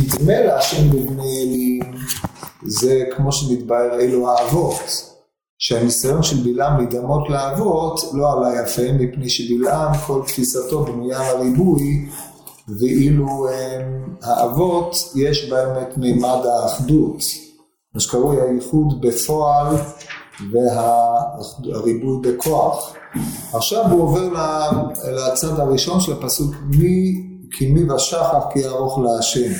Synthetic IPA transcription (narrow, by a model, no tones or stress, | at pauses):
id̪me̞leaʃembibnejelim | zekmo̞ʃemid̪baeʁeluaːvo̞t | ʃehanisajo̞nʃelbilʔamːidamo̞tleaːvo̞tlo̞alajafemːipne̞jʃebilʔamko̞lt̪fisato̞bnujalaʁibuj | veʔiluemhaʔavo̞t̪jeʃbaemet̪memad̪haːχd̪ut̪ | maʃe̥kaʁujaiχud̪befo̞al | veɦa | aʁibujbekʰo̞aχ | aχʃavuoveʁlalat͡sad̪haʁiʃo̞nʃelapasukmi | kʰimivaʃaχafkiaʁoχleaʃem